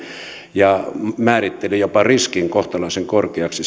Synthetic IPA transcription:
jɑmæːrit̪ːelejopɑriskiŋkoht̪ɑlɑiseŋkorkeɑksi

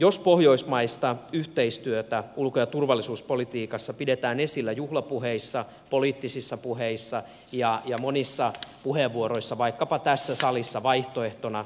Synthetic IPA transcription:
jospohjoismɑist̪ɑyht̪eist̪yøt̪æulkojɑt̪urʋɑlːisuːspo̞lit̪iːkɑsːɑpidet̪æːnesilːæjuhlɑpuɦeisːɑ | poliːt̪ːisisːɑpuheisːɑ | jɑjɑmonisːɑpuheʋʋuoɾoisːɑʋɑikːɑpɑt̪æsːæsɑlisːɑʋɑiht̪oeht̪onɑ

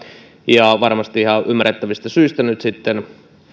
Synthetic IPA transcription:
jɑʋɑrmɑst̪iihɑʔymːæret̪ːæʋist̪æsyist̪ænyt̪sit̪ːen

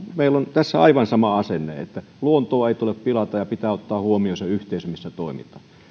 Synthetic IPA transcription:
meilont̪æsːæɑ̰iʋɑnsɑmɑɑsenːḛḛt̪ːæ | luont̪oːeˑit̪uleppilɑt̪ɑjɑpit̪æːot̪ːɑːhuomioseyht̪eˑisømisːæt̪oˑimḭt̪ɑ̥ː

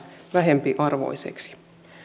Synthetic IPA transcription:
ʋæɦempiʔɑrʋo̞̰jsḛksi̥

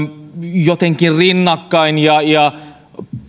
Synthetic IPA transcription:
jot̪eŋkirrinːɑkːɑinjɑjɑ

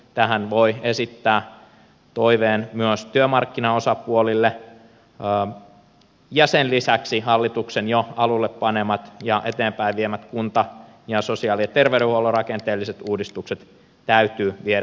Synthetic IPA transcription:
t̪æɦænʋoiesit̪ːæː | t̪oiʋeːnmyøst̪yømɑrkːinɑosɑpuolilːe | jɑsenlisæksihɑlːit̪uksenjoɑlulːeppɑnemɑt̪jɑʔet̪eːmpæiʋʋiemæt̪kunt̪ɑ | jɑsosiɑːˑliɑt̪erʋeyɾøhuolːorɑkent̪eːlːiset̪uːdist̪ukset̪ | t̪æyt̪yːʋieɾæ

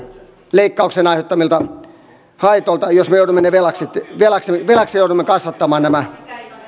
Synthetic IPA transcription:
leikːɑuksenɑiheot̪ːɑmilt̪ɑ | hɑit̪oilt̪ɑjosmejoudumːeneʋelɑkset̪ʋelɑkseʋelɑksejoudumːekɑsʋɑt̪ːɑmɑːnnæmæ

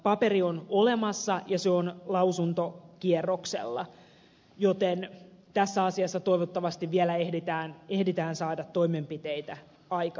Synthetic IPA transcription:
pɑperiono̞le̞mɑsːɑjɑseonlɑusunt̪okierːoksḛlːɑ̰ | jot̪ent̪æsːæɑsiɑsːɑt̪o̞ijʋot̪ːɑʋɑst̪iʋʋielæehdit̪æːnehdit̪æːnsɑːdɑt̪ːoimempit̪ejt̪æ | ɑjkɑ

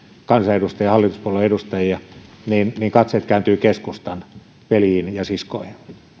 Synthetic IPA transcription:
kɑnsɑedust̪ɑjɑhɑlːit̪u̥spuoloiedust̪ɑjiɑ | niːnniːŋkɑt̪set̪kæynt̪yːkeskust̪ɑn | ʋeliinjɑsiskoihin

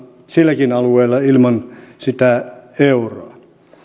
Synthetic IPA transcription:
silːækinɑlueːlːɑilmɑnsit̪æeuroɑ

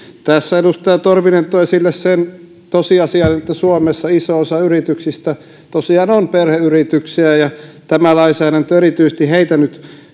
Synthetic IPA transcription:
t̪æsːæedust̪ɑjɑt̪orʋinent̪oɑsilːessen | t̪osiɑsiɑnet̪ːæsuomesːɑisoosɑyrit̪yksist̪æ | t̪osiɑnonperheyrit̪yksiæjɑt̪æmælɑisæːɾænt̪ːøerit̪yisest̪iheit̪ænyt̪

